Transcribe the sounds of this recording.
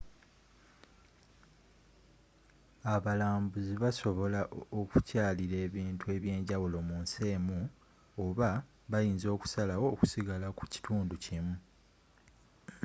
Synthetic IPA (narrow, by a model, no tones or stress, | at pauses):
aβalaːmbuziβaso̞βo̞laʔoku̥caːliɾe̞ːβiːntʰue̞βje̞ːɲɟawulo̞muːnse̞ːmu | oβa | βajiːnzo̞ːku̥salawoːku̥siɡalaku̥ci̥tʰuːnducimu